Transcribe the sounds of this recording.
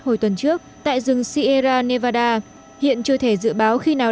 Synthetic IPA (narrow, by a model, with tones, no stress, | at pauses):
ho˧˩jt̪wə˨˩nt͡ɕɨ˦˥ək̚t̪a̰ː˧˨jzɨ˨˩ŋsi˧ʔe˧zaː˧ne˧vaː˧ɗaː˧ | hḭ˧˨ənt͡ɕɨ˧ət̪ʰe˧˩zɨ̰˧˨ɓaː˨˦wxi˧naː˨˩